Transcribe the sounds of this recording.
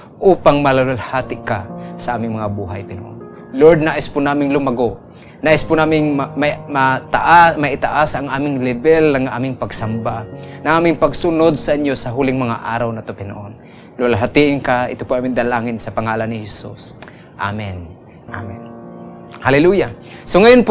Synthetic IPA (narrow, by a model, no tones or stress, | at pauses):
ʔuːpaŋmɐlɐlalhaːt̪ɪkasɐʔaːmɪŋmɐŋabuːɦajpɪnɐʔo̰n | loɹd̪̚naːʔɪspʊnaːmɪŋlʊmɐɡoʔ | naːʔɪspʊnaːmɪŋmmɐt̪aʔamɐʔɪt̪aʔasʔɐŋʔaːmɪŋlɪbɛlnɐŋʔa̰ːmɪŋpɐɡsɐmbanɐŋʔaːmɪŋpɐɡsʊnod̪̚sɐʔɪɲjosɐɦuːlɪŋmɐŋaʔaːɾɐwnɐt̪opɪnɐ̰ʔon | lʊalɦat̪iʔɪnkaʔɪ̰t̪opʊʔaːmɪnd̪ɐlaːŋɪnsɐpɐŋaːlanɪhɛsṵs | ʔa̰mɛn | ʔa̰mɛn | halɛluːja | soŋɐjonp